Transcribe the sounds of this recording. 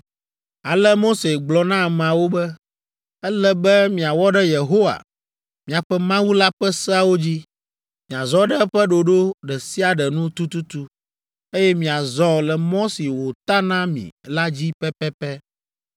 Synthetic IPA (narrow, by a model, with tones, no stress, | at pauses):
a˨lɛ˦mo˦se˨ɡ͡blɔ˨nã˦˨mã˨wo˦bɛ˦ | ɛ˦lɛ˦bɛ˦mĩ˨a˨wɔ˦ɖɛ˦je˨ɦo˦wa̰˨ | mĩ˨a˨ɸɛ˦mã˦wu˦la˦ɸɛ˦sɛ˦a˦wo˦d͡ʑi˦ | mĩ˨a˨zɔ˦ɖɛ˦ɸɛ˦ɖo˨ɖo˦ɖɛ˨si˦a˨ɖɛ˨nũ˦t̪u˦t̪u˦t̪u˦ | e˦jɛ˦mĩ˨a˨zɔ˦lɛ˨mɔ̃˦si˨wo˨t̪a˦nã˦mḭ̃˨la˦d͡ʑi˦pɛ˦pɛ˦pɛ˦